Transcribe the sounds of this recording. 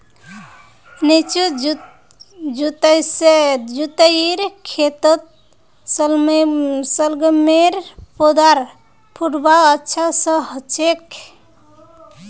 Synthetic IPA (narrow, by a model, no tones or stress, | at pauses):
nit͡ʃu | d͡ʒut̪əjsed͡ʒut̪əiɾkʰet̪ət̪̚ | səl | səlɡəmeɾpod̪aɾ | pʰuʈbaətːʃʰasə̃ɦət͡ʃek